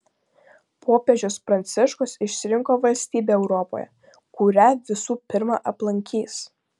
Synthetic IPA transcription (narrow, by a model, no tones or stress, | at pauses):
pʰoːpʲeːd͡ʒʲʊspɾɐnʲt̪sʲɪʃkʊsɪʃʲsʲɪɾʲɪŋkoːʋɐlʲsʲt̪ʲiːbʲeːɛʊɾɔpo̰ːjɛ̰ | kʊɾʲæʋʲɪsuːpʲɪɾmɑ̰ːʔɐplˠɐŋʲkʲiːs